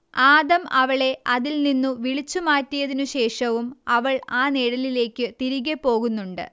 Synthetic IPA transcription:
aːðɐmɐʋɐɭe̞ɐðilninːuʋiɭit͡ɕːumaːtːijɐðinuɕe̞ːʂɐʋumɐʋɐɭaːneːɽɐlile̞ːkʲːɨt̪iɾiɣepːo̞ːɣunːuɳɖɨ̰

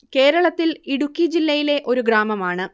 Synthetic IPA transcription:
ke̞ːɾɐɭɐt̪ːiliɽukʲːid͡ʑilːɐjile̞ʔo̞ɾuɡɾaːmɐmaːɳɨ

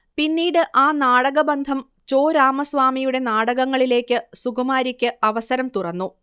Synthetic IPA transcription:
pinːiːɽɨʔaːnaːɽɐɣɐbɐnd̪ʱɐm | t͡ɕo̞ːɾaːmɐsʋaːmijuɽe̞naːɽɐɣɐŋːɐɭile̞ːkʲːɨsuɡɐmaːɾikʲːɨɐʋɐsɐɾɐmt̪urɐnːu

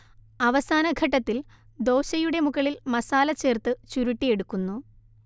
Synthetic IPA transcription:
ɐʋɐsaːnɐɡʱɐʈːɐt̪ːil | d̪o̞ːɕɐjuɽe̞muɣɐɭilmɐsaːlɐt͡ɕːe̞ːrt̪ɨt͡ɕuɾuʈːije̞ɽukːunːu

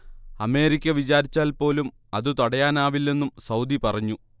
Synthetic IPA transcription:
ɐme̞ːɾikʲːɐʋit͡ɕaːɾit͡ɕːaːlpo̞ːlum | ɐðɨt̪oɽɐjaːnaːʋilːe̞nːumsɐwd̪ipɐrɐɲːu

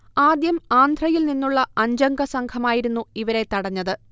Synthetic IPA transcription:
aːd̪jɐmaːnd̪ʱrɐjilninːuɭːɐɐɲd͡ʑɐŋɡɐsɐŋkʰɐmaːjiɾunːuiʋɐɾe̞t̪ɐɽɐɲːɐðɨ

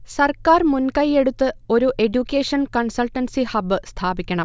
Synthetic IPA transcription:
sɐrkaːrmunkɐje̞ɽut̪ːɨo̞ɾuʔe̞ɖjukʲːeːʂɐnkɐnsɐlʈːɐnsihɐbːɨst̪ʰaːbikʲːɐɳɐm

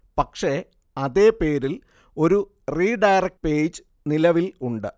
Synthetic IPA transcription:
pɐkʂe̞ | ɐðe̞ːpe̞ːɾil | o̞ɾu | riːɖɐjrɐk̚ʈpeːd͡ʑɨ | nilɐʋiluɳɖɨ

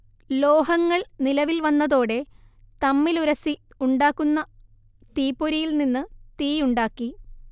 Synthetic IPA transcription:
lo̞ːɦɐŋːɐɭnilɐʋilʋɐnːɐðo̞ːɽe̞ | t̪ɐmːiluɾɐsi | uɳɖaːkːunːɐ | t̪iːpːoɾijilninːɨt̪iːuɳɖaːkːi

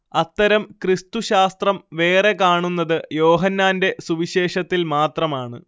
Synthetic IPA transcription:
ɐt̪ːɐɾɐmkrist̪uɕaːst̪rɐmʋe̞ːre̞kaːɳunːɐðɨjo̞ːɦɐnːaːnde̞suʋiɕe̞ːʂɐt̪ːilmaːt̪rɐmaːɳɨ̰

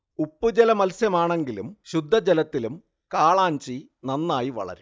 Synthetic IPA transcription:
upːud͡ʑelɐmɐlsjɐmaːɳe̞ŋɡilumɕud̪ʱːɐd͡ʑelɐt̪ːilum | kaːɭaːɲt͡ɕi | nɐnːaːjiʋɐ̰ɭɐ̰ɾu

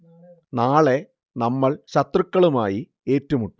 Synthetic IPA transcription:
naːɭe̞ | nɐmːɐɭɕɐt̪rukːɐɭumaːji | e̞ːtːɐmuʈːu

